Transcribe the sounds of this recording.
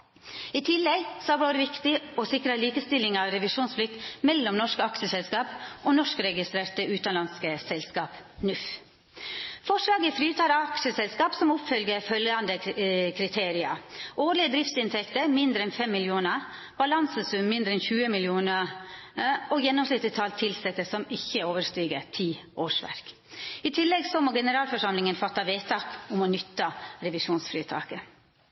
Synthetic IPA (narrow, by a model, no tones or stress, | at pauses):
iːt̪ʰɪlːɛɡsɔhæʋoːɾəʋɪkt̪ɪɔsɪkɾəliːkəst̪ɪlɪŋɑʋɾɛʋɪʂuːnsflɪk̚t̪mɛlːɔmnɔʂkəɑkʂəsɛlskɑːpʔonɔʂkəɾɛɡɪst̪ɾeːɾt̪əʔʉːt̪ɑnlɑnskəsɛlskɑːpnʉf | fɔʂlɑːɡəfɾiːt̪ʰɑɾɑkʂəsɛlskɑːpsɔmʊpfœlɡəɾfœljɑnd̪əkʰɾɪt̪ʰeːɾɪɑ̰ʔoːɾlɪəd̪ɾɪft̪sɪnt̪ʰɛkt̪əɾmɪnd̪ɾəɛnfɛmːɪljuːnə | b̥ɑlɑnsəsʉmmɪnd̪ɾəɛnçʉːəmɪljuːnə | ɔjɛnːɔmslʏt̪ːət̪ʰɑːlt̪ʰɪlsɛt̪ːəsɔmɪçːəoːʋəʂt̪yːɡə̰t̪ʰiːʔoːʂʋæ̰ɾk | ɪt̪ʰɪlːɛɡsɔmoːɡɛnəɾɑːlfɔʂɑmlɪŋənfɑt̪ːɑʋeːt̪ʰɑːkʊmɔnʏt̪ːɑɾɛʋɪʂuːnsfɾiːt̪ʰɑ̰ːkə